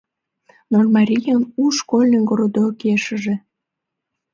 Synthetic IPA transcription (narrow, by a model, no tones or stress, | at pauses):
normɑɾʲijənuʃkolʲneŋɡoɾod̪okeʃəʒĕ